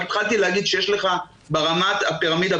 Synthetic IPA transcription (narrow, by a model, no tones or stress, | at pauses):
t̪χalt̪ileaɡid̪ʃejeʃle̞χa | beʁamat̪apeʁamid̪a